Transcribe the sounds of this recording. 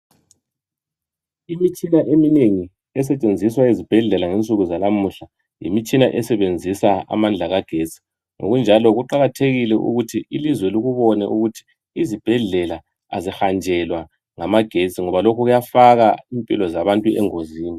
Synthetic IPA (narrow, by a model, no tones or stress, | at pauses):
imit͡ʃʼinaʔemineŋi | ɛs̬ɛt͡ʃʼend͡zʱiswaizib̥ʱɛɮɛlaŋent͡sʼuɣuzalamuɬa | jḭmit͡ʃʼinaʔɛsɛβend͡zʱisaa̰mand͡ɮʱaɣaɡ̥ʱet͡sʼi̥ | ŋʔo̰ɣund͡ʒʱalɔɣuǃaɣatʰeɣilɛʔṵɣutʰiilizwɛluɣuβɔnɛʔuɣutʰi̥ː | zib̥ʱɛɮɛla | azixand͡ʒʱɛlwa | ŋamaɡ̥ʱet͡sʼiŋɔβalokʰuɣujafaɣaimpʼḭlɔzaβantʼuɛ̰ŋoziːni